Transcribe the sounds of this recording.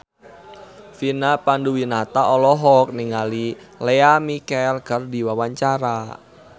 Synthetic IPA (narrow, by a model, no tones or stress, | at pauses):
finapanduwinat̪aʔɔlɔɦɔk̚niŋalileamikɛlɡərdi̤wawaɲt͡ʃaɾa